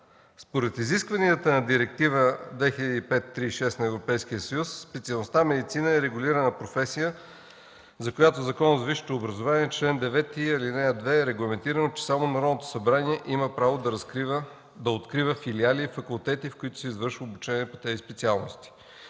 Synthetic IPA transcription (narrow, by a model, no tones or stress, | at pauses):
spoɾɛt̪iziskvɐniət̪ənɐd̪iɾɛk̚t̪ivəd̪vɛxilʲəd̪ipɛt̪ːɾiːʃɛst̪nɐɛvɾopɛjsk̟ijəsəjusːpɛt̪siɐlˠnost̪amɛd̪it̪sinəɛɾɛɡʊliɾənəpɾofɛsijə | zɐkojat̪ozɐkɔnəzviʃi̥t̪oːbɾɐzovaniɛt͡ʃlɛnd̪ɛvɛt̪iɐlinɛɐd̪vɛɾɛɡlˠɐmɛnt̪iɾənot͡ʃɛ̥samonɐɾɔnot̪o̥sɐbɾaniɛʔiməpɾavod̪ɐɾ | d̪ɐot̪kɾivəfilialifɐkulˠt̪ɛt̪ifkʊit̪ʊ̥sɛizvɤɾʃvəobut͡ʃɛniɛpot̪ɛzispɛt̪sialˠnost̪i̥